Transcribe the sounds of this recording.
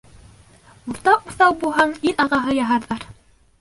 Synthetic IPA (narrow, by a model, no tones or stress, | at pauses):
uɾt̪ɑquθɑwbulˠɦɑɴiɾɑʁɑɦɤjɑɦɑɾðɑɾ